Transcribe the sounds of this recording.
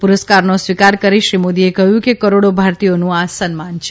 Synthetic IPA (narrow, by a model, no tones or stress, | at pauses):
puɾəskaɾnosʋikaɾkəɾiʃɾimod̪iekəɦjũkekəɾoɽobʱaɾt̪ijonũasənmant͡ʃʰe